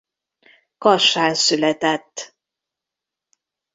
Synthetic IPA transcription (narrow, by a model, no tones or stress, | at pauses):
kɒʃaːnsylɛt̪ɛt̪ː